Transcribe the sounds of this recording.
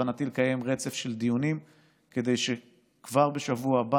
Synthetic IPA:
anat̪ilekaje̞mʁe̞t͡sefʃe̞ld̪ijunim | ke̞d̪e̞jʃe | kvaʁbe̞ʃavuaba

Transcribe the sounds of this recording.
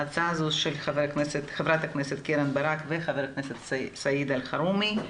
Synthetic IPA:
at͡sazusʃelχaveɾkneset̪χevɾat̪akneset̪keɾanbaɾakveχaveɾkneset̪sajid̪alχaɾumi

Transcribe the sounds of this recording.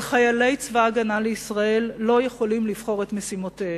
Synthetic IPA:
χajale̞jt͡svaːɡanaleisʁae̞lːo̞jeχo̞limliv̥χo̞ʁe̞tmesimote

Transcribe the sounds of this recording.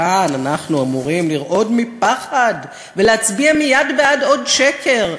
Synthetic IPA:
ananaχnuamuʁimliʁʔo̞dmipaχad | veleat͡sbiamijadbeado̞dʃekʰe̞ʁ

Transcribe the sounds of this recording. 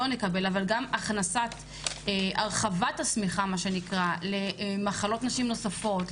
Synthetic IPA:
onlekabe̞lavalɡamaχnasat | ʔaʁχavathasmiχamaʃe̞nikʁale̞maχalo̞tnaʃimno̞safo̞t

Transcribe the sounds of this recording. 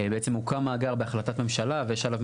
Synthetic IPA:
beet͡se̞mukamaːɡaʁbeaχlat̪at̪me̞mʃalavejeʃalav

